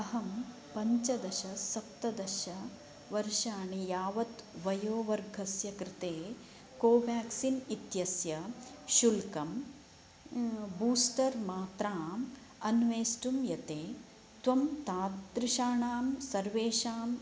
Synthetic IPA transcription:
ɐɦɐm | pɐɲt͡ʃɐd̪ɐʃɐsɐp̚t̪ɐd̪ɐʃɐ | ʋɐɾʃaːɳijaːʋɐt̪ʋɐjoːʋɐɾɡʱɐsjɐkɾɪt̪eː | koːʋjaːksinit̪jɐsjɐʃulkɐm | buːsʈɐɾmaːt̪ɾaːm | ɐnʋeːsʈumjɐt̪eː | t̪ʋɐmt̪aːt̪ɾɪʃaːɳaːmsɐɾʋeːʃaːm

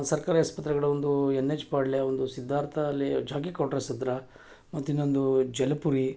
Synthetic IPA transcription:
sɐɾkaːɾiaːspɐt̪ɾɛɡɐɭɐond̪uenːet͡ʃpaːɽleɐond̪usid̪ʱːaːɾt̪ʰɐːlːid͡ʒaːɡikɐwʈɾɐsɐd̪ɾɐ | mɐt̪ːuinːo̞nd̪ud͡ʒɛlɐpuɾi

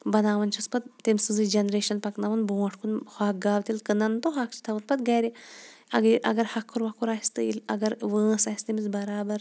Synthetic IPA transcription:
bɐnaːʋɐnt͡ʃʰɐspɐt̪̚t̪emsɨzɨd͡ʒɐnɾeːʃɐnpɐknɐʋɐnbuːɐʈʰkʰunhwaːk̚ɡaːʋt̪ilkɨnɐnt̪oɦaːkt͡ʃʰi̥t̪ʰɐʋɐnpɐt̪ɡɐjɾiɐɡiʔɐ̰ɡɐɾhɐkʰːuɾʋɐkʰːuɾaːist̪ɨilɐɡɐɾʋə̃ːsaːist̪imizbɐɾaːbɐɾ

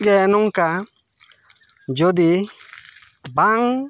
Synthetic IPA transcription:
ɡɛnɔŋka | d͡ʒɔd̪i | baŋ

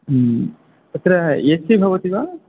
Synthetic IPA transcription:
ɐt̪ɾeesibʱɐʋɐt̪iʋa

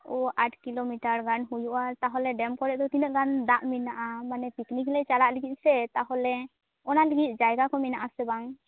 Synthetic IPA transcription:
ɔʔaʈʰkilomiʈaɾɡanɦujuʔat̪aɦɔlɛɖɛmkɔɽɛʔ̚d̪ɔt̪inəʔɡand̪aʔminaʔamanɛpikniklɛʔt͡ʃalaʔləɡit̪̚ˀsɛt̪aɦɔlɛ | ɔnaləɡit̪̚ˀd͡ʒajɡakɔminaʔasɛbaŋ

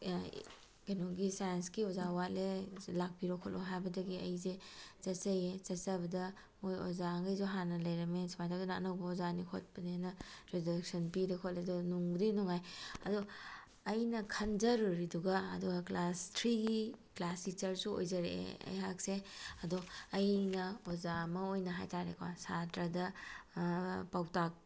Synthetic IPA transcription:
kenoɡisajanskiozawatlelak̚piɾokʰolo̰ɦajbɐdɐɡiɐ̰jzezɐsɐjezɐsabɐdɐ | mojo̰zaŋɡɐjzoɦanɐlɐjɾɐmesimadaɡnanɐwbɐɔzanikʰo̰t̚pɐninɐtɾedik̚sɐnpidɐkʰotledonuŋbdinuŋajɐ̰do | ɐjnɐkʰɐnzɐɾuɾiduɡɐɐ̰duɡɐklastʰɾiɡiklasit͡ʃɐɾsuo̰jzɐɾḛɐ̰jɦak̚seɐdoɐjnɐozamɐojnɐɦa̰jtaɾekʰowa̰satɾɐdɐ | pawtak̚

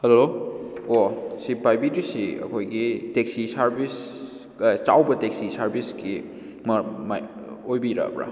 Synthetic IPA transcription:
ɐloloosipajbitisiɐ̰kʰojɡiteksisaɾbis | t͡ʃa̰wbɐteksisaɾbiski | mɐmaojbiɾa̰bɾa̰

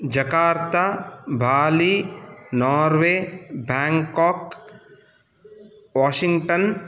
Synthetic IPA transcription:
d͡ʒɐkaːɾt̪abʱaːlinɔːɾʋeːbʱaːŋkɔːk | ʋaːʃiŋɡʈɐn

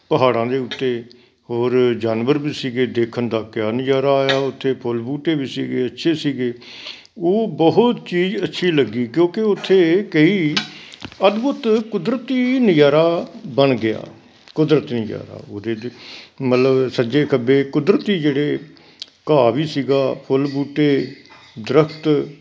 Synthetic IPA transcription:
pəɦaːɽãːd̪eːʊt̪ːeː | ɦoːɾd͡ʒaːnʋəɾbiːsiːɡeːd̪eːkʰənd̪aːkɪjaːnɪjaːɾaːjaːʊt̪ʰːeːpʰʊlbuːʈeːbiːsiːɡeːətːʃʰeːsiːɡeː | oːbəɦʊt̪t͡ʃiːd͡ʒətːʃʰiːləɡiːkjõːkɪʊt̪ʰːeːkəiː | əd̪bʊt̪kʊd̪ɾət̪iːnɪjaːɾaːbəɳɡɪja̰ː | kʊd̪ɾət̪iːnɪja̰ːɾa̰ːoːd̪eːmət̪ləbsəd͡ʒeːkʰəbeːkʊd̪ɾət̪iːd͡ʒeːɽeː | kaːbiːsiːɡaːpʰʊlbuːʈeː | d̪ɾəkʰt̪

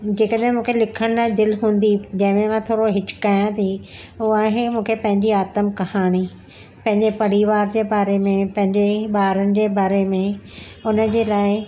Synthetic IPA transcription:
d͡ʑeːkəɗɦɪ̃mũːkʰelɪkʰəɽ̃laːɪd̪ɪlɦũːn̆d̪id͡ʑɐ̃ɦɪ̃mẽmãt̪ʰoːɽoɦɪt͡ɕʊ̥kɐjãt̪ʰi | ʊaːɦemũːkʰepɐ̃ɦɪ̃ɲd͡ʑiaːt̪əmkɐhaːɽ̃i | pɐ̃ɦɪ̃ɲd͡ʑepɐɽiʋaːɾd͡ʑeːbaːɾemẽpɐ̃ɦɪ̃ɲd͡ʑeɓaːɾənɪ̆d͡ʑeːbaːɾemẽ | ʊnə̆d͡ʑeːlaːɪ

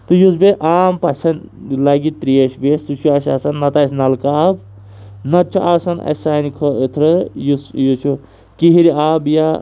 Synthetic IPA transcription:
t̪ɨjus̬beʔaːmpɐt͡ʃʰɐnlɐɡit̪ɾiɐʃbesuʃʰuasʲasɐnːɐt̪asnɐlkaːb | nɐt̪̚t͡ʃʰuʔasɐnɐ̰saːnikʰɔət̪ʰɾɨjusjut͡ʃʰu | kiɦiɾiaːbja

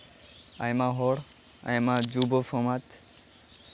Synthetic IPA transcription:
ajmãɦɔɽ | a̰jmãd͡ʒubosɔmat̪

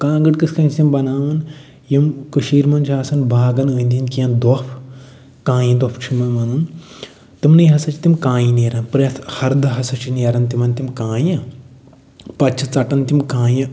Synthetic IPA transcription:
kãːɡɐʈkɨskɐnsimbɐnaːʋɐn | jimkɨʃiːɾmɐnt͡ʃʰiɐːsɐnbʱaːɡɐnəːnd̪ʲinkijɐnd̪ɐpʰ | kãːjĩd̪ɐpʰt͡ʃʰimɐmɐnun | t̪imnɨjiɦɐsɐt͡ʃʰi̥t̪imkãːjĩneːɾɐnpɾjɐt̪hɐɾd̪ɐɦɐsɐt͡ʃʰineːɾɐnt̪imɐnt̪imkãːjɐ | pɐt͡ʃʰɐt͡sɐʈɐnt̪imkãːjɐ̃

